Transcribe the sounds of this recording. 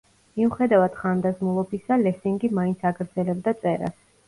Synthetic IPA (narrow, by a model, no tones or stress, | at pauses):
miuχɛd̪avad̪̥χand̪azmulˠɔbisalɛsiŋɡimaint̪sʰaɡɾd̪zɛlɛb̚d̪at̪sʼɛɾa̰s